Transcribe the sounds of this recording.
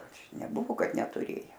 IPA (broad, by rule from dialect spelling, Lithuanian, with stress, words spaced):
ˈɐʃ nʲɛˈbʊʋoː ˈkɐt nʲɛtʊˈrʲeːjɛ